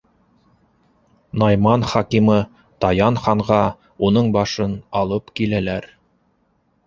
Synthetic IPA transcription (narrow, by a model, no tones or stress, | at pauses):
nɑjmɑnχɑkimɤ | t̪ɑjɑnχɑɴʁɑ | unɤɴbɑʃɤnɑlˠɤpkilælæɾ